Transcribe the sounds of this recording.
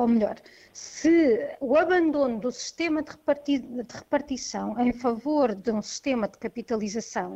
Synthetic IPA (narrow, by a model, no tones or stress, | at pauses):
omʎɔɾ | sɨuɐβɐ̃nd̪onud̪usi̥ʃt̪emɐd̪ʁpɐɾt̪id̪ɨʁɨpɐɾt̪isɐ̃w̃ẽj̃fɐvoɾðũsi̥ʃt̪emɐd̪ɨkɐpit̪ɐlˠizɐsɐ̃w̃